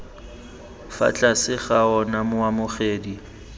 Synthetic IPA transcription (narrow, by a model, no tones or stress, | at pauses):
fa̰t͡ɬʼasɪχaɔnamʊwamʊχeːdi